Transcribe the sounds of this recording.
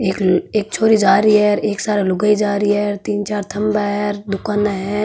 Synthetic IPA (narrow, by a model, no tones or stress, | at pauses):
eːkeːk̚t͡ʃʰoːɾid͡ʒaːɾiɦɛɾeːksaːɾelʊɡaid͡ʒaːɾiɦɛɾt̪iːnt͡ʃaːɾt̪ʰɐmbaɦɛɾd̪ʊkaːnaɦɛ